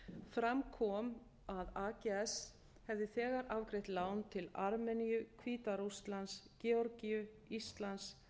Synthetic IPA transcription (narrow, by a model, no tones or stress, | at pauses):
fɾamkʰɔːm | aðaːcɛɛs | hɛvðɪθɛːɣaɾʔavkɾɪht̪laːwnt̪ʰɪlaɾmɛnijʏkʰviːt̪aɾust̪lanscɛɔɾcijʏ | ist̪lans